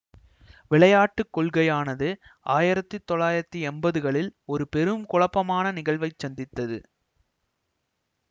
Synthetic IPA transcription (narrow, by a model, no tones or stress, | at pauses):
ʋɪɭɐjaːʈːɯkːɔɭɣɐjaːnɐðɯaːjɪɾɐt̪ːɯt̪ːɔɭaːjɪɾɐt̪ːiɛmbɐðɯɣɐɭɪlɔɾɯpɛɾɯmkʊɭɐpːɐmaːnɐnɪɣɐɭʋɐɪt͡ʃːɐnd̪ɪt̪ːɐðɯ̰